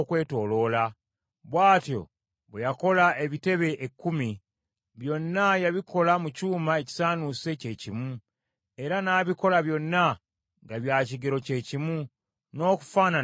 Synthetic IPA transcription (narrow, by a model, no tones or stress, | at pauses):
kwe̞ːto̞ːlo̞ːla | βwaːtjo̞̰ | βwejako̞lae̞βite̞βe̞ʔekːumi | βjo̞nːajaβiko̞lamucuːmae̞ci̥saːnuse̞ce̞ːcimu | e̞ɾanaːβiko̞laβjo̞nːa | ŋɡaβjaːciɡeɾo̞ce̞ːcimu | no̞ːku̥faːna